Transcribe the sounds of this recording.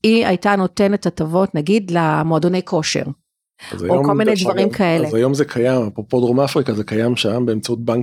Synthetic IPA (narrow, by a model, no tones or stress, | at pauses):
ia̰jtano̞te̞netatavo̞tnaɡidlamoado̞ne̞jkʰo̞ʃḛʁ | a̰za̰joomkolminejdvaʁimkʰae̞lezajomzekʰajamapopodʁomafʁikazekajamʃambe̞ːmt͡saut̚baŋk